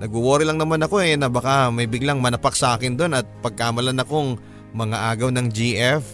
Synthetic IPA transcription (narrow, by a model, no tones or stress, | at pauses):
nɐɡ̚ʊwoːɾɪlɐŋnɐmanɐko̞ɛnɐbɐkamɐjbɪɡlaŋmɐnɐpak̚sɐʔaːkɪnd̪o̞nɐt̪̚pɐɡ̚kaːmɐlanɐko̞ŋ | mɐŋaʔaːɡɐwnɐŋd͡ʒiːʔɛf